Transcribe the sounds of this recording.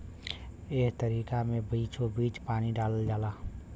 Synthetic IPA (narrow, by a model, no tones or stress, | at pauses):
eːkt̪əɾiːkamẽbiːt͡ʃobiːt͡ʃpaːniɖaːləld͡ʒaːlaː